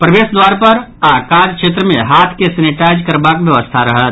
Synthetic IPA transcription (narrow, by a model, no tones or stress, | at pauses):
pɾəʋeːsd̪waːɾpɐɾ | aːkaːd͡ʒkʃeːt̪ɾəmẽɦaːt̪ʰkesɐnɪʈaːɪd͡ʒkəɾbaːkʋjəʋəst̪ʰaɾəɦət̪